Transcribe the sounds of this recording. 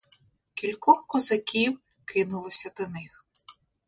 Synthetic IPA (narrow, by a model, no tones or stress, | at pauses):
kʲilʲkɔxkɔzɐkʲiw | kɪnʊlˠɔsʲɐd̪ɐnɪx